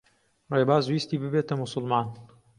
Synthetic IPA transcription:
rebaːzuist̪iːbɨbet̪ɐmʊsʊlmaːn

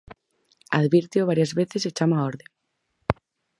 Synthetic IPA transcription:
aðβiɾt̪joβaɾjazβeθeset͡ʃamaoɾðeŋ

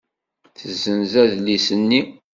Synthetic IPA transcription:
θəzːənzæðlisənːi

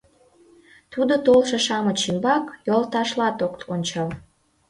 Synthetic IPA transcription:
t̪ud̪ot̪olʃeʃɑmət͡ɕimbɑkjolt̪ɑʃlɑt̪okt̪onʲt͡ɕɑl

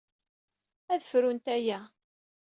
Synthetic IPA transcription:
æðəfɾunt̪æjæ

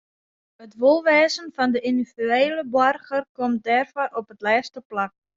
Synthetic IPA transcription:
ət̪ʋolˠʋeːsənfand̪əʔind̪ifyejləbɔrχəɾkɔmd̪ɛrfaɾɔpət̪lɛːst̪əplak̚

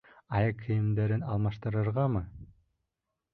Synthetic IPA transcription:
ɑjɤkʰːɯ̆jɘ̆md̪æɾɘnɑlˠmɑʃt̪ɤ̆ɾɯɾʁɑmɯ

